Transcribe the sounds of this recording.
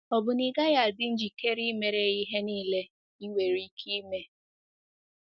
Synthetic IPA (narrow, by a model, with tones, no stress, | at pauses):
ɔ˨bʊ˨ni˨ɡa˦ja˨dɪ˦n̩˦d͡ʒi˨ke˦ɾi˦me˨ɾe˦i˦ɦe˦niː˦˨le˦ | i˦ŋʷe˨ɾi˦kʰi˦me˦